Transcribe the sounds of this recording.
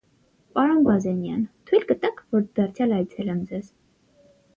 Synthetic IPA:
pɑɾɔnɡɑzɛnjɑnt̪ʰujlɡət̪ɑkʰvɔɾd̪̥ɑɾt͡sʰjɑlɑjt͡sʰɛlɛmd͡zɛz̥

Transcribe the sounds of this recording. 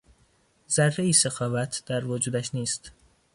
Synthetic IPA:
zærːeiːsexɒːvæt̪ʰd̪̥æɾvod͡ʒuːd̪æʃniːst̪

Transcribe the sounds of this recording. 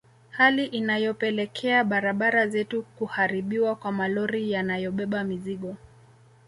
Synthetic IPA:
haliʔinajɔpɛlɛkʰɛaɓaɾaɓaɾazɛtukuhaɾiɓiwakwamalɔɾijanajɔɓɛɓamiziɠɔ

